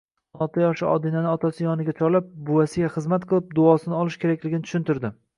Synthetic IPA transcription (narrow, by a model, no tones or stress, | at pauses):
nɒlˠt̪ʰajɒʃɪʔɒ̰d̪ɪnanɪɒt̪ʰasɪjɒnɪɡʲat͡ʃʰɒɾlap̚bʊasɪɡʲaχɨzmat̪qʰɨlˠɪp̚d̪ʊɒsɪnɪɒlˠɪʃkʲe̞ɾakʲlɪɡʲɪnɪt̪ʰʊ̥ʃɪnt̪ɪɾd̪ɪ